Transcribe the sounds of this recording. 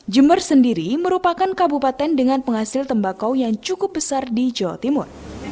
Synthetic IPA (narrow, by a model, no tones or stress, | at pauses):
d͡ʒəmbərsəndiɾiməɾupakankabupat̪ɛndəŋanpəŋhasɪlt̪əmbakawjaŋt͡ʃukʊp̚bəsardid͡ʒawa̰t̪imʊr